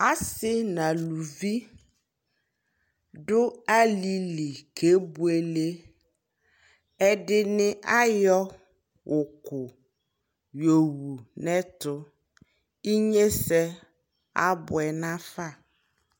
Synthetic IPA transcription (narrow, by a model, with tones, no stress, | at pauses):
a˦sɪ˦nã˨lu˨vi˦ | ɖʊ˦a˦li˦li˨kʰe˨˦bu˦e˨le˦ | ɛ˦dɪ˦nɪ̃˦ʔa˦jɔ˦ | wʊ˨kʊ˨ | jo˨wu˨nɛ̃˦tʊ˦ | i˦ɲe˦sɛ˦ | a̰˦bʊ˨ɛ˨nã˦fa˦˨